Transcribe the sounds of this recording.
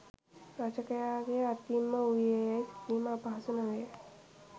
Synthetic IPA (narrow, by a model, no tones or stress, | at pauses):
ɾat͡ʃəkəjaːɡejat̪imːəujejsit̪iːməːpaɦɐsunəʋej